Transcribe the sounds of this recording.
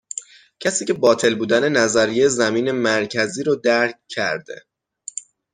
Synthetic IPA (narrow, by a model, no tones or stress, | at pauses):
cʰæsiːcʰe̞bɒːt̪ʰe̞lbuːd̪æne̞næzæɾijejzæmiːne̞mæɾcʰæziːɾod̪æɾccʰːæ̰ɾd̪e̞̰